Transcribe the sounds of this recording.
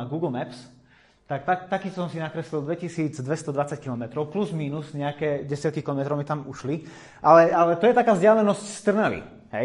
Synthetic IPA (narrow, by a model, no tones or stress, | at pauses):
ɡuːɡl̩mɛps | t̪ak̚t̪akt̪akiːssɔmsinakɾɛslild̪ʋɛcisiːd͡zd̪ʋɛst̪ɔd̪ʋat͡sackilɔmɛt̪ɾɔʊpluzmiːnuzɲɛakɛːɟɛsɪat̪̚kikilɔmɛt̪ɾɔʊmit̪amuʃli | ʔalɛalɛt̪ɔjɛt̪akaːzɟɪalɛnɔscst̪r̩nalḭ | ɦɛ̰j